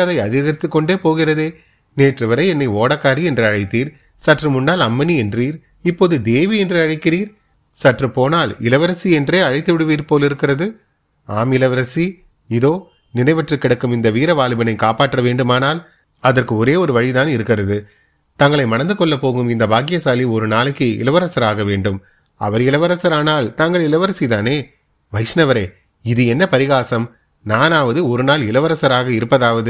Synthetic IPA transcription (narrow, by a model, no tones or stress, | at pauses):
ɐðɐɪɐðɪɣɐt̪ːɯkːɔɳɖeːpoːɣɪrɐðeː | neːʈrɐʋɐɾɐɪɛnːɐɪoːɽɐkːaːɾiɛndrɯɐɻɐɪt̪ːiːɾ | sɐʈrɯmʊnːaːlɐmːɐniɛndriːɾ | ɪpːoːðɯd̪eːʋiɛndrɯɐɻɐɪkːɪriːɾ | sɐʈrɯpoːnaːlɪlɐʋɐɾɐsiɛndreːɐɻɐɪt̪ːɯʋɪɽɯʋiːɾpoːlɪɾɯkːɪɾrɐðɯ | aːmɪlɐʋɐɾɐsi | ɪðoː | nɪnɐɪʋɐʈrɯkːɪɽɐkːɯmɪnd̪ɐʋiːɾɐʋaːlɯbɐnɐɪkaːpaːʈːrɐʋeːɳɖɯmaːnaːl | ɐðɐrkɯɔɾeːɔɾɯʋɐɻit̪aːnɪɾɯkːɪrɐðɯ | t̪ɐŋɡɐɭɐɪmɐnɐnd̪ɯkɔɭːɐpːoːɣɯmɪnd̪ɐbaːkɪjɐsaːliɔɾɯnaːlɯkːɯɪ̰lɐʋɐɾɐsɐɾaːɣɐʋeːɳɖɯm | ɐ̰ʋɐɾɪlɐʋɐɾɐsɐɾaːnaːlt̪aŋɡɐɭɪlɐʋɐɾɐsit̪aːneː | ʋɐɪsnɐʋɐɾeː | ɪðɯɛnːɐpɐɾɪɣaːsɐm | naːnaːʋɐðɯɔɾɯnaːlɪlɐʋɐɾɐsɐɾaːɣɐɪɾɯpːɐðaːʋɐðɯ